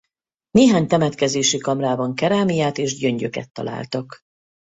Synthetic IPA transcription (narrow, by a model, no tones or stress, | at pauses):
neːɦaːɲt̪ɛmɛt̪kɛzeːʃikɒmraːbɒŋkɛɾaːmijaːt̪eːʒɟø̞ɲɟøkɛ̰t̪ːɒ̰la̰ːlt̪ɒk